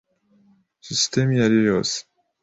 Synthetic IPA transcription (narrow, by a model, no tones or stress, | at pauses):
ɕist̪emijaɾiɾos